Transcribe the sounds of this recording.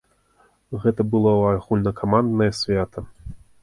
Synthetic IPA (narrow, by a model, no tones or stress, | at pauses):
ɣɛt̪ɐbɨlˠɔɐɣulʲnɐkʰamand̪nɐjɐsʲvʲat̪ɐ